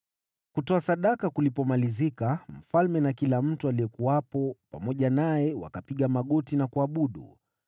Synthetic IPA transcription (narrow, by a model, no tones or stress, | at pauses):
kutɔasaɗakakulipɔmalizikam̩falmɛnakilam̩tualiɛkuwapɔpamɔʄanajɛwa̰kapiɠamaɠɔtinakuaɓuɗṵ